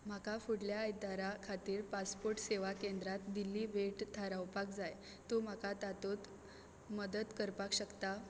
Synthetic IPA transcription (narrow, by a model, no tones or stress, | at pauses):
m̤akafuɽljaːjd̪aɾakʰat̪iːɾpaspoɾʈseʋakend̪ɾat̪d̪ilːiːʋeʈt̪ʰaɾawpakd͡zaj | t̪um̤akat̪at̪ot̪ | məd̪əd̪kəɾpakɕəkt̪a